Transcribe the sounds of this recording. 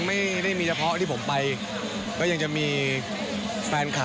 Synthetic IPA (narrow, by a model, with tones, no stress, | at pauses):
ŋma˥˩jda˥˩jmiː˧˩t͡ɕʰpʰɔ˦˥ʔt̪ʰiː˥˩pʰo˩˦mpa˧j | kɔː˦˥˩ja˧ŋt͡ɕa˨˩miː˧ | fɛː˧nkʰaː˨˩